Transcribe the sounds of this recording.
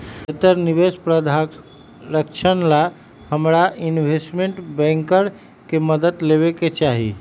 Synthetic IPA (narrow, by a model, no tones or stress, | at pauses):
et̪əɾnibespɾəd̪ʱa | ɾəkt͡ʃʰənla | həmɾaʔinbʱesʈmeɳʈbɛ̃ŋkəɾ | keməd̪əd̪leβeket͡ʃaɦḭ